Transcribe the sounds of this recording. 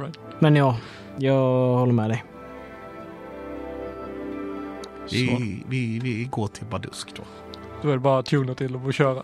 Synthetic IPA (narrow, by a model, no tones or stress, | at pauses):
mɛnjɑː | jɑːhɔlːəɾmɛːd̪ɛj | ɪvɪvɪɡoːʈʰɪlbad̪ɵ̰skd̪̥o̰ː | d̪̥ɵɛd̪bɑːɾat̪ʰuːnət̪ʰɪlːɔboɕøːɾa